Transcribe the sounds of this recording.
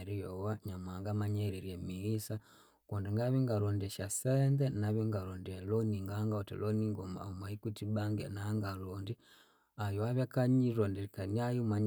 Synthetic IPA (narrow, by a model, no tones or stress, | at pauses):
ɾijɔwaɲamaŋɡamaɲɛɾiɾjɛmiisa | kɔndɛŋɡaβiŋɡaɾɔndɛʃasɛndɛnaβiŋɡaɾɔndialɔniŋɡaːŋɡaɔtɛ̰lɔniŋɡɔma̰ɔmaikutibaŋɡɛ̰naːŋɡalɔndi | ajɔaβakaɲiɾɔndikaniajumaɲ